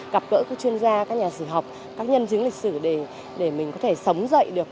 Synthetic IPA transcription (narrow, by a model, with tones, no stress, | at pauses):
ɣa˨˩p̚ɣə̰ː˧˥kɔ˨˧˦t͡ɕwi˧ənzaː˧kaː˦˥k̚ɲaː˨˩si˧˩ɦa˨˩wk͡p̚ | kaː˦˥k̚ɲə˧nt͡ɕɨ˨˦ŋlï˨˩k̟̚sɨ˧˩ɗe˧˩ | ɗe˧˩mï˨˩ŋ̟kɔ˨˦t̪ʰe˧˩sə˨˦wŋ͡mzə̰˧˨jɗɨ˨˩ək̚